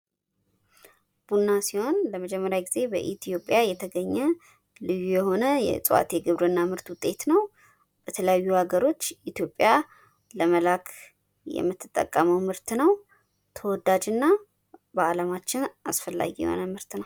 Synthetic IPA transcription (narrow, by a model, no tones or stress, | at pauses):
b̥unːasiho̞nləməd͡ʒɛmːəɾjaɡize̞bə̰ʔit̪ʰijo̞pʼːjajɛt̪ʰəɡəɲːɛ | lɨjːujɛho̞nəjɛ̰sʼwa̰t̪jɛɡɨβɾɨɨnːamɨɾt̪wʊt̪ʼːe̞t̪nəw | bət̪ʰələjajːuhaɡəɾo̞t͡ʃːit̪jo̞pʼja | ləməlakʰ | jɛ̰mːɨt̪ʰːɨt̪ʼːə̰kʼːəməwmɨɾt̪nəw | t̪ʰəwɔd̪ad͡ʒɨnːa | bəalamat͡ʃːɪnasfəlːa̰ɡijɛ̰ho̞̰nəmɨɾt̪nəw